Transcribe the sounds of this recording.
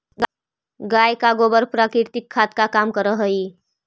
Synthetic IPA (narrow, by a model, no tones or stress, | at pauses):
ɡ | ɡajkaɡobəɾpɾakiɾt̪ikʰːat̪kakamkəɾəɦəj